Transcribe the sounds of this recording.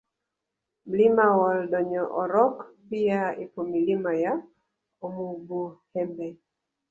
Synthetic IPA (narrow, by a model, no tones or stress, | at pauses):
mlimawɔldɔɲɔʔɔɾɔkpijaipomilimaja | omuɡuhɛmbɛ